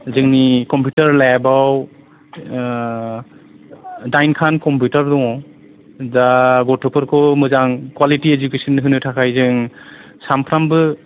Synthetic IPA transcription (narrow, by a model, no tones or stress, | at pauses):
zɯŋnikɔmpjutaɾlajabaw | dajnkʰankɔmpjutaɾdɔŋɔ | daɡɔtʰɔpʰɯɾkʰɔmɯzaŋkwalitied͡ʒukesɔnɯɦɯnɯtʰakʰajzɯŋ | sampʰɾambɯ